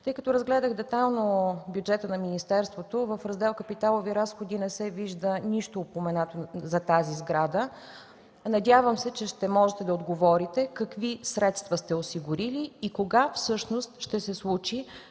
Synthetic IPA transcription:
t̪ɤjkɐt̪ɔɾəzɡlɛd̪əɣd̪ɛt̪alˠnobjud͡ʒɛt̪ənɐminist̪ɛɾst̪vot̪ovəfɾɐzd̪ɛlˠkəpit̪alˠoviɾasxod̪inɛsɛviʒd̪əniʃt̪oːpomɛnat̪ozɐt̪azizɡɾad̪ə | nɐd̪ʲjavəmsɛt͡ʃɛʃt̪ɛmɔʒɛt̪ɛd̪ɐod̪ɡovɔɾit̪ɛkɐkvisɾɛt̪st̪vəst̪ɛosiɡʊɾiliːkoɡafsɤʃnost̪ʃt̪ɛsɛslˠut͡ʃi

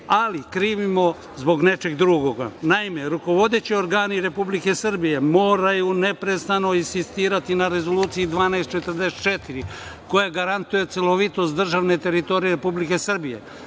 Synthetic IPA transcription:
alikɾiːʋimo̞ | zbo̞ɡne̞t͡ʃe̞ɡd̪ɾuɡoɡa̰naime̞ɾuko̞ʋo̞d̪e̞t͡ɕio̞ɾɡaːniɾe̞publike̞sr̩bije̞mo̞ːɾajune̞pɾe̞st̪ano̞insist̪iːɾat̪inaɾe̞zo̞luːt̪sijid̪ʋaːneest̪t͡ʃe̞t̪ərd̪eset̪t͡ʃet̪iɾiko̞jaɡaɾant̪uje̞t̪seloʋit̪o̞st̪d̪r̩ʒaʋne̞t̪e̞ɾit̪o̞ɾijeɾe̞publike̞srbije̞̰

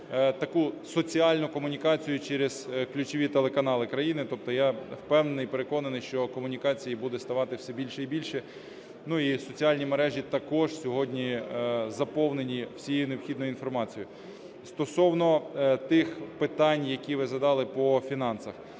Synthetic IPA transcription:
t̪ɐkusɔt͡sʲiɑlʲnʊkɔmʊnʲikɑt͡sʲijʊt͡ʃɛɾez̥klʲʊt͡ʃɔʋʲit̪elˠekɐnɑlˠɪkɾɐjinɪt̪ɔp̚t̪ɔjawpɛwnenɪjpeɾekɔnɐnɪjʃt͡ʃɔkɔmʊnʲikɑt͡sʲijibud̪ɛst̪ɐʋɑt̪ɪwsʲɛbʲilʲʃɛibʲilʲʃɛ | nuisɔt͡sʲiɑlʲnʲimeɾɛʒʲit̪ɐkɔʒsʲɔɦɔdʲnʲizɐpɔwnenʲiwsʲijejunewxʲid̪nɔjʊinfɔrmɑt͡sʲijʊ | st̪ɔsɔwnɔt̪ɪxpɪt̪ɑnʲjɐkʲiʋɪzɐd̪ɑlˠɪpɔfʲinɑnsɐx

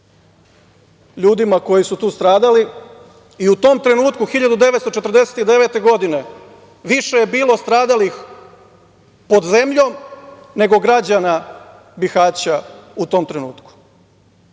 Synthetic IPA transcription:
ʎuːd̪imako̞jisut̪uːst̪ɾaːd̪ali | iut̪o̞mt̪ɾe̞nuːt̪kuxiʎad̪ud̪e̞ʋe̞t̪st̪o̞t͡ʃet̪ɾd̪ese̞t̪id̪e̞ʋe̞t̪e̞ɡo̞d̪ine̞ | ʋiʃe̞jebiːlo̞st̪ɾaːd̪alix | po̞d̪ze̞mʎo̞mne̞ɡo̞ɡɾad͡ʑana | bixaːt͡ɕaut̪o̞mt̪ɾe̞nuːt̪ku̥

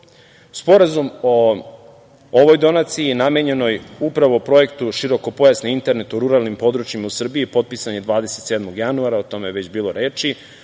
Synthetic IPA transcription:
uspo̞ɾazumo | ʋojd̪o̞nat̪sijinameɲe̞no̞jupɾaʋo̞pɾo̞e̞kt̪uʃiɾo̞ko̞po̞jasneint̪e̞ɾnet̪uɾuɾalˠnimpo̞d̪ɾut͡ʃimausr̩biipo̞t̪̚pisaɲe̞d̪ʋaːd̪eset̪seːd̪mo̞ɡjanuaɾaot̪o̞mejeʋe̞t͡ɕbiːlo̞ɾeːt͡ʃi

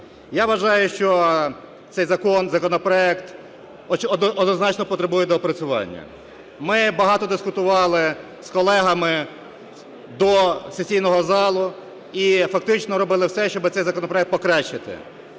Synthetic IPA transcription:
jaʋɐʒɑjʊʃt͡ʃɔ | t̪sɛjzɐkɔnzɐkɔnɔpɾɔɛkt̪ | ɔd̪nɔznɑt͡ʃnɔpɔt̪ɾebujɛd̪ɔpɾɐt͡sʲʊʋɑ̰nʲːɐ̰ | mɪbɐɦɑt̪ɔd̪ɪskʊt̪ʊʋɑlˠɪ | skɔlˠɛɦɐmɪ | d̪ɔsesʲijnɔɦɔzɑlˠʊ | ifɐk̚t̪ɪt͡ʃnɔɾɔbɪlˠɪwsɛʃt͡ʃɔbɪt̪ɛjzɐkɔnɔpɾɔɛk̚t̪̚pɔkɾɑt͡ʃːɪt̪ɪ̰

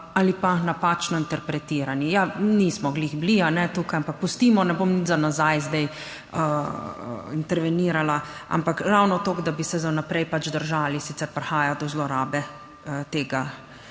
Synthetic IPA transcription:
alipanapat͡ʃnɔint̪ɛɾpɾɛt̪iːɾanijaniːsmɔɡlixblianɛt̪uːkajampak̚pust̪iːmɔnɛboːmnit̪zanazajzd̪ɛj | ə̰ | int̪ɛɾʋɛniːɾalaa̰mpakɾawnɔt̪oːɡd̪abisɛzanapɾɛjpat͡ʃd̪əɾʒaːlisit̪sɛɾpɾɛxaːjad̪ɔzlɔɾaːbɛ | ət̪eːɡa

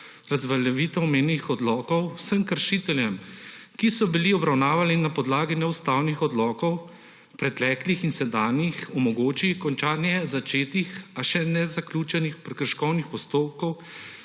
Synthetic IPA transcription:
ɾazʋɐlɛʋit̪ɔwmeːnnixɔd̪lɔːkɔwsəmkəɾʃit̪ɛljɛmkisɔbiliɔbɾawnaːʋalinapɔd̪laːɡinɛust̪aːwnixɔd̪lɔːkɔw | pɾɛt̪ɛklixinsɛd̪aːnjixɔmɔɡoːt͡ʃikɔnt͡ʃaːnjɛzat͡ʃeːt̪ixaʃɛnɛzaklʲuːt͡ʃɛnixpɾɛkɾʃkɔwnixpɔst̪oːp̚kɔw

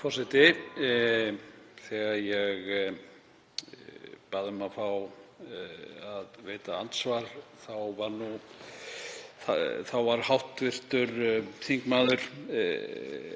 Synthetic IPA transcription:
fɔsɪt̪ɪ | θɛɣajɛɣ | paːðʏmafaw | aðveːt̪aant̪svaɾθawvaɾnu | θaθawvaɾ̥hawht̪vɪr̥t̪ʏɾθiŋkmaːðʏɾ̥

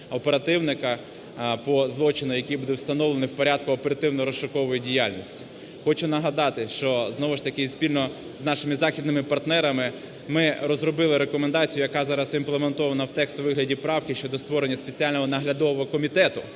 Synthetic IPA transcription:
ɔpeɾɐt̪ɪwnɪkɐ | pɔzlˠɔt͡ʃɪnʊjɐkʲijbud̪ɛwst̪ɐnɔwlˠenɪwpɔɾʲad̪̚kʊɔpeɾɐt̪ɪwnɔɾɔsʃʃɐkɔʋɔjidʲijalʲnʲisʲtʲi̥ | xɔt͡ʃʊnɐɦɐd̪ɑt̪ɪʃt͡ʃɔznɔʋʊʃt̪ɐkɪsʲpʲilʲnɔ | znɑʃɪmɪzɑxʲid̪nɪmɪpɐrt̪nɛɾɐmɪ | mɪrɔzrɔbɪlˠɪɾekɔmend̪ɑt͡sʲijʊjɐkɑzɑɾɐsimplˠement̪ɔʋɐnɐwt̪ɛkst̪ʊʋɪɦlʲɐdʲipɾɑwkɪʃt͡ʃɔd̪ɔst̪ʋɔɾenʲːɐspet͡sʲialʲnɔɦɔnɐɦlʲɐd̪ɔʋɔɦɔkɔmʲit̪ɛt̪ʊ

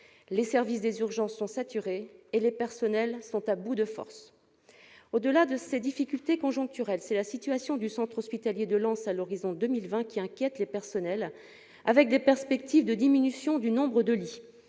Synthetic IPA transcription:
lesɛʁvis̬d̪ezyʁʒɑ̃sːɔ̃sat̪yʁeːlepɛʁsɔnɛlsɔ̃t̪abud̪əfɔ̰ʁs | od̪əlad̪əsed̪ifikʲylt̪ekɔ̃ʒɔ̃k̚t̪yʁɛlsɛlasit̪yasjɔ̃d̪ysɑ̃t̪χɔspit̪aljed̪əlɑ̃salɔʁizɔ̃d̪əmilvɛ̃kʲiɛ̃kʲjɛt̪lepɛʁsɔnɛl | avɛk̚d̪epɛʁspɛkt̪ivd̪əd̪iminysjɔ̃d̪ynɔ̃bʁəd̪əli

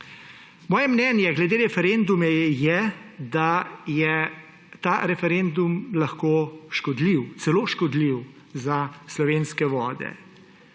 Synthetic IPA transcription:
mɔːjɛmnɛːnjɛɡlɛd̪eːɾɛfɛɾend̪umɛjɛd̪ajɛ | t̪aːɾɛfɛɾend̪umlaxkoːʃkɔd̪liwt̪sɛloːʃkɔd̪liw | zaslɔʋeːnskɛʋɔːd̪ɛ̰

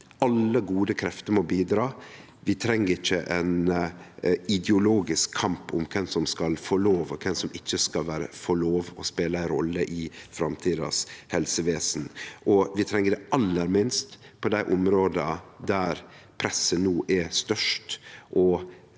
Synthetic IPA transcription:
ʔɑlːəɡuːd̪əkʰɾɛft̪əɾmɔbiːd̪ɾɑː | ʋɪt̪ʰɾɛŋːəɾɪçːəʔɛn | ɪd̪ɛʊloːɡɪskʰːɑmpʊ̰mkʰɛnsɔmskɑlfɔɭoːʋɔkʰɛnsɔmɪçːəskɑlʋæːɾə̰fɔɭoːʋɔspeːləæɪnɾɔlːəʔɪfɾɑmt̪ʰiːd̪ɑ̰shɛlsəʋeːsn̩ʔɔʋɪt̪ʰɾɛŋːəɖɛɑlːəɾmɪnst̪pʰɔd̪æɪʔʊmɾoːd̪əd̪æɾpʰɾɛsːənuːʔɛst̪œʂtʔɔ

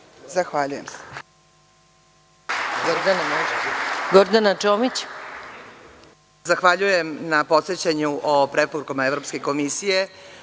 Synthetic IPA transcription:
zaxʋaʎuje̞mse̥ | ɡoɾd̪anamoʃkɡoɾd̪anat͡ʃomit͡ɕ | zaxʋaʎuje̞mnapo̞t̪set͡ɕaɲuʔopɾepoɾukamaevɾopske̞ko̞misije̞

